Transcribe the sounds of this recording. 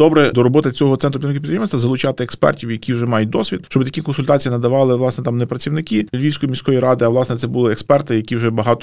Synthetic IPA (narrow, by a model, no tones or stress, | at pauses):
d̪̥ɔbɾɛd̪ɔɾɔbɔt̪ɪt͡sʲɔɦɔt̪ɛnt̪ɾʊpit̪ɾɪnkɪpit̪ɾɪmnsʲt̪ɐzɐlˠʊt͡ʃɑt̪ɪekspɛ̰rtʲiwjɐkʲiwʒɛmɑjʊt̚ʲd̪ɔsʲʋʲid̪̚ʃt͡ʃɔbɪt̪ɐkikɔnsʊlʲt̪ɑt͡sʲijinɐd̪ɐʋɑlˠɪʋlˠɑsnɛt̪ɑmnɛpɾɐt͡sʲiwnɪkʲilʲʋʲiwsʲkɔjimʲisʲkɔjiɾɑd̪ɪɐʋlˠɑsnɛt̪sɛbʊlˠɪɛkspɛrt̪ɪjɐkʲiwʒɛbɐɦɑt̪ɔ